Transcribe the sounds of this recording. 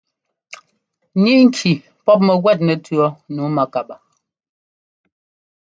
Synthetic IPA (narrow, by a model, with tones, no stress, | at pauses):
ɲi˦ŋ̩˦kʰi˨ | pɔ˦p̬̚mə˨ɣwɛ˦˨t̬̚nɛ˨tɥɔ˦nuː˨˦ma˨ka˨ɓa˨